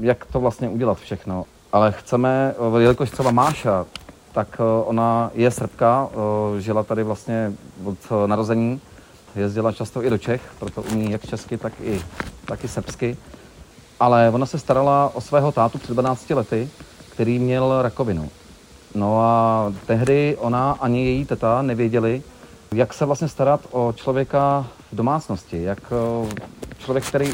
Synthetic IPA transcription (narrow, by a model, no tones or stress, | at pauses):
jakt̪ovlast̪ɲɛʔuɟɛlat̪fʃɛxno̞ | ʔalɛxt͡sɛmɛjɛlɪkoʃt̪r̥ɛbamaːʃat̪akʔo̞najɛsr̩pkaʒɪlat̪adɪvlast̪ɲɛvot̪naɾozɛɲiː | jɛzɟɪlat͡ʃast̪oʔɪdo̞t͡ʃɛxpɾot̪o̞ʔuɲɲiːjakt͡ʃɛskɪt̪akɪt̪akɪsr̩pskɪ | ʔalɛvo̞nasɛst̪aɾalaʔosvɛːɦot̪aːt̪upr̥ɛdvanaːt͡scɪlɛt̪ɪkt̪ɛɾiːmɲɛlɾako̞vɪnṵ | noat̪ɛɦdɪʔo̞naʔaɲɪjɛjiːt̪ɛt̪anɛvjɛɟɛlɪ | jaksɛvlast̪ɲɛst̪aɾat̪ʔo̞t͡ʃlo̞vjɛka | vdo̞maːt͡sno̞scɪjak | t͡ʃlovjɛk̚t̪ɛɾiː